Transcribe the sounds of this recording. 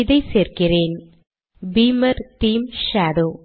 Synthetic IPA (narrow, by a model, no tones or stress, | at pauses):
iðɐjseːrkireːn | biːmɐɾt̪iːmʃaːɽoː